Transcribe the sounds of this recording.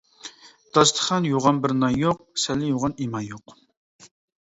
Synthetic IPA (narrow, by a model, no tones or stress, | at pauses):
d̪̥ɑst̪ʰə̥χɑnjoʁɑnbɪɾnɑjoq̚sɛlːɪjoʁɑnimɑjoq